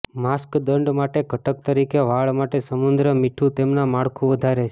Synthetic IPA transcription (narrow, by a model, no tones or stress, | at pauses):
maskd̪əɳɖmaʈeɡʱəʈək̚t̪əɾikeʋaɭmaʈesəmund̪ɾəmiʈʰũt̪emnamaɭkʰũʋəd̪ʱaɾet͡ʃʰe̥